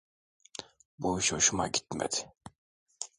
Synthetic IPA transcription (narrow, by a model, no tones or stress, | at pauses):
buʃoʃumaɟit̪mɛ̰d̪ɪ̥